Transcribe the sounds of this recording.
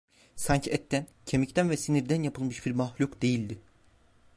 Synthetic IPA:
sanɲcʰiɛt̪ʰːæncʰe̞mict̪ʰænvɛsiniɾd̪ænjapʰɯlˠmɯʃbiɾmahlʲukd̪ejilʲd̪ɪ

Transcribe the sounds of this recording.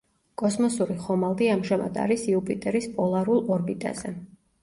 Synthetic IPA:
kʼɔsmɔsuɾiχɔmalˠd̪iamʒama̰d̪a̰ɾisiupʼit̪ʼɛɾispʼɔlˠaɾulˠɔɾbit̪ʼa̰zɛ

